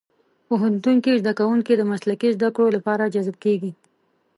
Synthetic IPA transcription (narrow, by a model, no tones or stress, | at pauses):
poɦant̪uŋkizd̪akawuŋkid̪əmaslakizd̪akɽolapɑɾad͡ʒazb̚keɡi